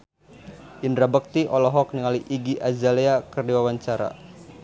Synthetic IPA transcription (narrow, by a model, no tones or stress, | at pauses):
ʔindɾabək̚t̪iʔɔlɔɦɔk̚niŋaliʔiɡiʔazaleakərdiwawaɲt͡ʃaɾa̰